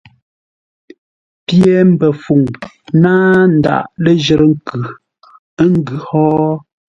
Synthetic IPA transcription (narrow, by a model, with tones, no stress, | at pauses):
pje˦m̩˦bɛ˨fu˨ŋ | naː˦n̩˨da̰˨ʔlə˦d͡ʒə˨ɾə˦ŋ̩˦kʉ˨˦ | ŋ̩˦ɡʉ˨hɔː˦